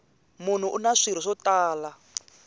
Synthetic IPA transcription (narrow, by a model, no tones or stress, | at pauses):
mun̤uʔunaʂiɾ̤iʂɔtaːla